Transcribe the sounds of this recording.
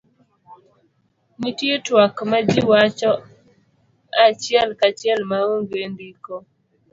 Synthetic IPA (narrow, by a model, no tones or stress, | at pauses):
nitietwakmad͡ʒiwat͡ʃɔ | at͡ʃjɛlkat͡ʃɛlmaoŋɡendikɔ